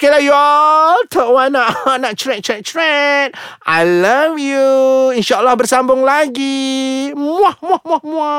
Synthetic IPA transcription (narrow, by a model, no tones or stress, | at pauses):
kalajɔtʰɔʔwãnaʔnaʔt͡ʃɹɛ̃ʔ̚t͡ʃɹɛʔ̚t͡ʃɹɛt̚a̰jlavjuinʃaəlːahbərsambʊŋlaɡi | muahmuahmuahmua